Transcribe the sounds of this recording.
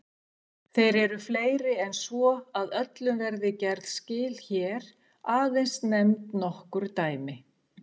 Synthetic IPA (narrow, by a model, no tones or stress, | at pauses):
θejɾɛɾʏfleːjɾɪɛnsvɔaðœt̪lʏmvɛɾðɪcɛɾt̪scɪːlçɛːɾ̥ | aːðejnst̪nɛmt̪nɔhkʏɾ̥t̪aːjmɪ